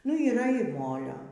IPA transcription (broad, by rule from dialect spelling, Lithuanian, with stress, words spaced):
nʊ iːˈrɐ ɪr ˈmoːlʲoː